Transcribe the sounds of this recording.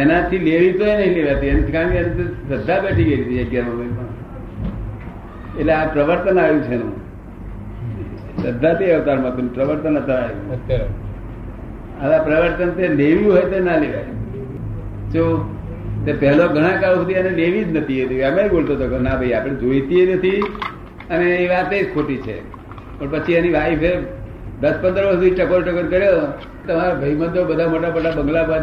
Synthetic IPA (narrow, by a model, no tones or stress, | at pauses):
enãt̪ʰːileʋit̪oenəĩleʋjat̪ienet͡ʃʰkãkianẽt̪esəd̪ʱːabeʈʰiɡəit̪iəɡjanõɡəjpəɳ | eʈleapɾəʋəɾt̪ənaʋjũt͡ʃʰenṵ̃ | səd̪ʱːat̪eəʋt̪aɾmãt̪unpɾəʋəɾt̪ənət̪ʰəaj̃ | at̪apɾəʋəɾt̪ənt̪eleʋjũɦɔjt̪enaleʋaj | t͡ʃũ | t̪epɛɦloɡʱəɽ̃ãkausud̪ʱianeleʋid͡ʒnət̪ʰiet̪iamaibolt̪ot̪ʰokonabʱəjapɽ̃ed͡ʒoit̪ienət̪ʰi | əneiʋat̪ed͡ʒkʰoʈit͡ʃʰḛ | pəɳpət͡ʃʰianiʋaife | d̪əspə̃nd̪əɾʋəst̪iʈəkoɾʈəkəɾkəɾjo | t̪əmaɾabʱəiməd̪obəd̪ʱamoʈabəʈabəŋɡlabʱa